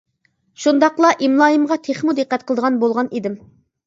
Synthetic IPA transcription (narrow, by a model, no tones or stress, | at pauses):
ʃund̪ɑqlˠɑʔimlˠɑːjimʁɑt̪ʰeχmud̪ɨqːæt̪̚qəlˠəd̪əʁɑnbolˠʁɑnid̪ɪm